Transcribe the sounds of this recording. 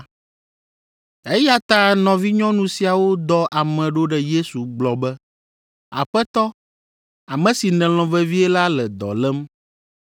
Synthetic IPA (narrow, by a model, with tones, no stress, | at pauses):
e˦ja˨t̪ã˦nɔ̃˨vi˦ɲɔ̃˦nũ˨si˨a˨wo˦d̪ɔ˦ʔa˨mɛ̃˨ɖo˦ɖɛ˨je˦su˨ɡ͡blɔ˨bɛ˦ | a̰˨ɸɛ˦t̪ɔ˦ | a˨mɛ̃˨si˨nɛ̃˨l̃ɔ̃˨vɛ˦vi˦ɛ˦la˦lɛ˨d̪ɔ̰˨lɛ˦m